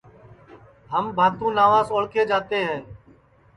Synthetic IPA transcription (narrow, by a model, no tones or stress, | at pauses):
ɦəmbʱaːt̪ũːnaːʋaːzoːɭkeːd͡ʒaːt̪eːɦɛː